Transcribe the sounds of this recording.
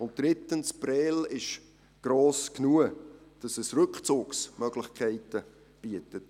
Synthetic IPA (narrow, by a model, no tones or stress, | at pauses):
ʊnt̚d̥ɾɪtənspɾɛːlɪʃ | ɡ̥ɾoːsknuəd̥ɑsɛsrɵkχt͡sʊːksmœɡ̥lɪχkʰɛɪtə | b̥iətət